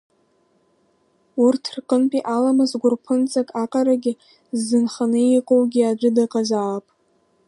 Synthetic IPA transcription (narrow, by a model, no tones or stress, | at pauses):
urtʰrqʼənpʼiʔalamazɡʷʊrpʰɨnt͡sʼakʼaqʼaɾaɡʲɪ | zːɨnχanɨiqʼowɡʲiad͡ʒʷɨdaqʼazaːpʼ